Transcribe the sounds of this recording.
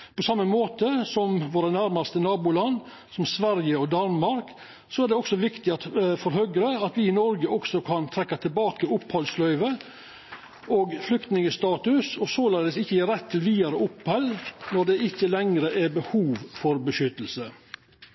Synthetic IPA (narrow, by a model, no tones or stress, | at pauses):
pʰɔsɑmːəmoːt̪əsɔmʋoːɾənæɾmɑst̪ənɑːbʊlɑn | sɔmsʋæɾjəɔd̪ɑnmɑɾk | sɔæːɖ̪ɛɔksɔʋɪkt̪ɪɑt̪fɔɾɦœɡɾəɑt̪ʋɪɪnɔɾɡəɔksɔkʰɑnt̪ʰɾɛkːɑt̪ʰɪlbɑːkəʊphɔlslœʏʋə | oːɡflʏkt̪nɪŋəst̪ɑːt̪ʉsɔsoːlɑːd̪əsɪçːəjiːɾɛt̪ʰːɪlʋiːɑɾəʊphɛlnɔɖ̪ɛɪçːəlɛŋɾəʔɛbəhuːʋfɔɾbəʃʏt̪ːəl̩sə